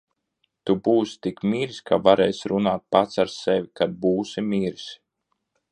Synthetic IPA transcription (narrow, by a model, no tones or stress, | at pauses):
t̪ubuːsi̥t̪ikmiːɾsʲkavaɾɛjsɾunaːt̪̚pat̪saɾsɛvʲikad̪̚buːsimiːɾs